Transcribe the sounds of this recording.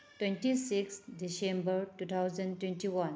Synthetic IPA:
ʈwẽnʈisiksɖisẽmbəɾʈut̪ʰawzə̃nɖʈwẽnʈiwʌ̃n

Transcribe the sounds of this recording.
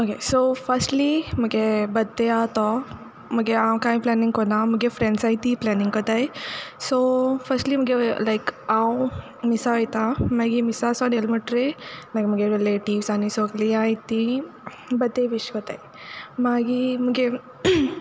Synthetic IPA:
okesofɐɾsʈlimɐɡebɐd̪eat̪ɔ | mɐɡeaw̃kaːĩplaːnĩŋkɔnamɐɡefɾẽɳɖsaːjt̪iplanĩŋɡkɔt̪ajsofɐsʈlimɐɡelaɪkaw | misaɐjt̪amaɡimisasɔ̃nelmɐʈɾemaɡmɐɡeɾeleʈiʋsaːnisoɡliaːjit̪i | bɐd̪eʋiʃkɔt̪a̰j | maɡimɐɡe

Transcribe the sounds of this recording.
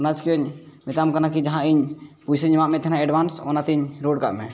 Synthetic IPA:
nat͡ʃkiɔɲmɛt̪amkanakid͡ʒaɦãiɲpusiɲmaʔmɛ̃t̪ʰɛnãɛɖbansɔ̰nat̪iɲɾoɖ̚ka̰ʔmɛ

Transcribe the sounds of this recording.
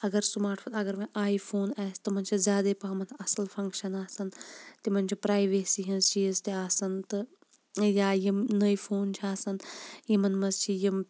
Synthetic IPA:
ɐɡɐɾsumaːɾʈʰfɐt̪ɐɡɐɾmɐ̃ʔaːipʰoːnaːst̪ɨmɐnt͡ʃʰizʲaːd̪epɐɦɐmɐt̪ʰɐsɐlpʰɐ̃ŋkʃɐnaːsɐnt̪imɐnt͡ʃʰipɾaːjʋeːsiɦĩnzt͡ʃʰiist̪iaːsɐnt̪ɨ | jaːjimnɐjipʰoːnt͡ʃʰiaːsɐnjimɐnmɐzt͡ʃʰijim

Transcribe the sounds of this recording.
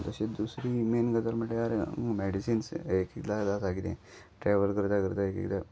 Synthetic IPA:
t̪əɕed̪usɾiːmenɡət̪əɾməʈːeaɾemɛɖisiːnsekek̪lalasaɡilḛ̃ | ʈɾɛʋəlkəɾt̪akəɾt̪aekḛkt̪a

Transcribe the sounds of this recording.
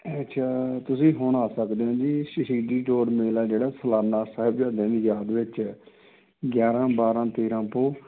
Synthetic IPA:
t͡ʃʰaːt̪ʊsĩːɦoːnaːsəkd̪eːɦõːd͡ʒiːʃəʃiːɖiːʈoːɖmeːlaːd͡ʒeːɽaːsəlaːnaːsaːɦɪbd͡ʒaːd̪ẽːd̪iːjaːd̪ʋɪt͡ʃ | ɡjaːɾãːbaːɾãːt̪eːɾãːpoː

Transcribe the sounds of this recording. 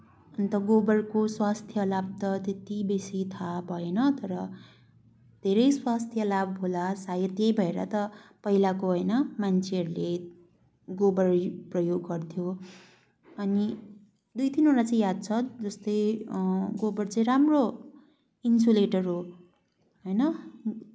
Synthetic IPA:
ʌnt̪ʌɡobʌrkoswast̪ʰjʌlab̚t̪ʌt̪et̪ibesit̪ʰabʱʌenʌt̪ʌɾʌ | d̪ʱeɾʌjswast̪ʰjʌlabbʱolasajʌt̪jʌjbʱʌeɾʌ̰t̪ʌpʌɦilakoɦojnʌmant͡sʰeɦʌɾule | ɡobʌrprʌjoɡːʌrt̪ʰjo | ʌni | d̪ujt̪inoɾat͡saĩjad̪̚t͡sʰʌd͡zʌst̪ʌj | ɡobʌrt͡saĩɾamro | insuleʈʌrɦo | ɦʌjnʌ

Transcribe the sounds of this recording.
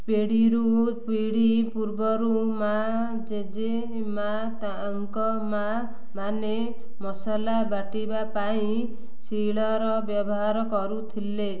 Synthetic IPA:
peɽiɾu | piɽipuɾbɔɾuma | d͡ʒed͡ʒe | ma | t̪a | ŋkɔ | ma | mane | mɔsalabaʈibapaĩ | siɭɔɾɔbjɔbɔɦaɾɔkɔɾut̪ʰile

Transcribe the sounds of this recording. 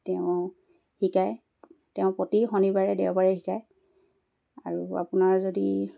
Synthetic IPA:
tɛʊ̃ | hikaj | tɛʊ̃potixɔnibaɹɛdɛʊbaɹɛxikaj | a̰ɹua̰pʊnaɹzodi

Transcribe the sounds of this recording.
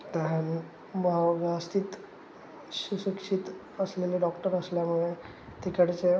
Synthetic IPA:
t̪aɦan | məɦaʋast̪iːt̪ | susukʂit̪ | əsleleɖɔkʈəɾəsljamuɭe | t̪ʰikəɽt͡se

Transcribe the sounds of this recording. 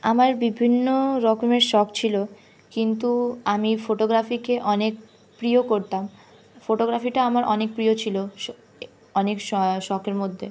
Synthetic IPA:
amaɾbibʱinːoɾɔkomeɾʃɔkt͡ɕʰilo | kint̪uamifoʈoɡɾafikeʔɔnek̚ | pɾiokoɾt̪am | foʈoɡɾafiʈaamaɾʔɔnek̚pɾijot͡ɕʰilo | ɔnekʃɔʃɔkʰeɾmod̪ʱːe

